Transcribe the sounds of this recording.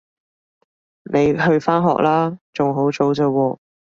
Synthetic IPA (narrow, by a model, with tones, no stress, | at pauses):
ne˨˧jɦɵ˧ɥfaː˥nɦɔ̰ː˨k̚lʔaː˥t͡sʊ˨ŋɦo˨˥wt͡so˨˥wt͡sɐ˧wɔː˧